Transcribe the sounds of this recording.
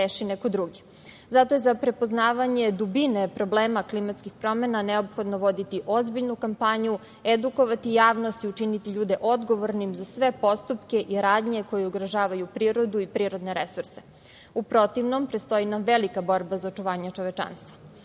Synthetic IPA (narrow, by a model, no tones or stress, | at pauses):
ɾeːʃineko̞d̪ɾuɡi | zat̪o̞jezapɾe̞po̞znaːʋaɲed̪ubinepɾo̞bleːmaklimat̪skixpɾo̞menaneopxo̞d̪noʋo̞d̪it̪iʔo̞zbiʎnukampaɲu | ed̪uko̞ʋat̪ijaːʋnost̪iut͡ʃinit̪iʎuːd̪e̞ʔo̞d̪ɡo̞ʋoɾnimzasʋe̞po̞st̪upkeʔiɾaːd̪ɲe̞ko̞jeuɡɾaʒaːʋajupɾiːɾo̞d̪uipɾiːɾo̞d̪ne̞ɾesuɾse | upɾo̞t̪iʋnompɾet̪st̪o̞inamʋelikabo̞ɾbazaot͡ʃuʋaːɲet͡ʃo̞ʋet͡ʃa̰nst̪ʋa